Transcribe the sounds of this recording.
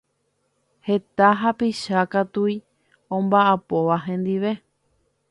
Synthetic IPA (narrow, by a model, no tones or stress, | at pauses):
he̞t̪aɦapiʃakat̪ui | õmbaʔapoʋaɦẽ̞nd̪iʋe̞